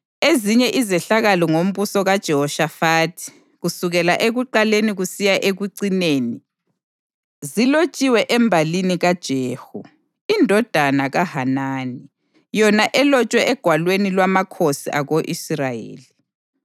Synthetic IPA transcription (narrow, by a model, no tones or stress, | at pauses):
eziɲɛʔizɛɬaɣalɔŋom̩βusɔɣad̥ʒ̥ʱɛhɔʃafaːtʰi̥ | ɣusuɣɛlaʔeɣuǃaleniɣusijaʔeɣuǀineːni | zilot͡ʃʼiwɛʔɛmbʱaliniɣad̥ʒ̥ʱeːhu | indʱɔd̥ʱanaɣahanaːni | jɔnaʔɛlɔt͡ʃʼwɛɛɡ̥ʱwalwenilwamakʰosiʔaɣoʔisrajḛːli